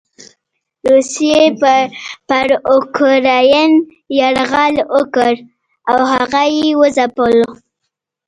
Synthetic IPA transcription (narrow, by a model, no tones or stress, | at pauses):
ɾusijeppaɾokɾɑjan | jaɽɣaləkəɾ | awhaɣajewəzapəlo